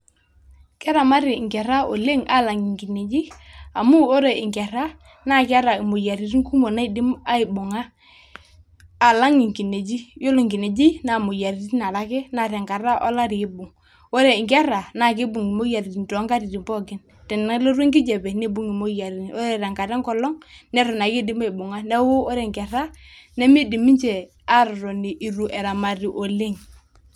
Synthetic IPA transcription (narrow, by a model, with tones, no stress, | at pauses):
kɛ˦ɾa˨ma˦ɾɪ˨ŋkɛ˨ɾa˦o˨le˦ŋa˦˨la˨ŋi˨ŋki˨ne˨d͡ʒi˦a̰˨mʊ˦o˦ɾe˨ɪ˨ŋɡɛ˨ɾa˦ | na˦ka˦ɾa˨ɪ˨mo˨ja˨ɾi˨ɾi˦ŋku˦mo˨na˦ɪ˨dɪ˦ma˦ɪ˨bʊ˨ŋa˦ | a˨la˦ŋɪ˨ŋki˨ne˨d͡ʒi˦jo˦lʊ˨ŋɡɪ˨ne˨d͡ʒɪ˦na˨mo˨ja˨ɾi˨ti˦na˨ɾa˦kɪ˦na˨ɾɛ˨ŋka˨ɾa˦ʔɔ˦la˦ɾɪ˨ɪ˦bʊ˨ŋ | o˦ɾe˨ŋkɛ˦ɾa˨na˨kɪ˦bʊ˨ŋi˨mo˦ja˨ɾi˨i˨n˨tɔ˨˦ŋɡa˦ɾi˨ɾi˨mpɔ˦ɡɪ˦n | tɛ˨na˦lo˦ɾwe˦ŋɡɪ˦d͡ʒɛ˨bɛ˨ne˦bu˦ŋi˨mo˦ja˨ɾi˨n˨ʔo˦ɾɛ˦˨ɾa˨ŋka˨ɾɛ˦ŋkɔ˦lɔ˦ŋnɛ˦ɾɔ˨na˨ki˦dɪ˦ma˦ɪ˨bʊ˨ŋa˦nɛ˦wo˦o˦ɾe˨ŋkɛ˨ɾa˦ | nɛ˦mi˦di˨mi˦ɲt͡ʃɛ˨ | a˦ɾɾɔ˨ni˨ʔi˨ɾu˨ʔɛ˨ɾa˨ma˨ɾi˨ʔo˨le˦ŋ